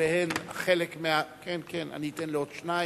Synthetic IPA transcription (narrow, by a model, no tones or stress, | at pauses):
ehenaχelekmeakenkena̰niitenleodʃna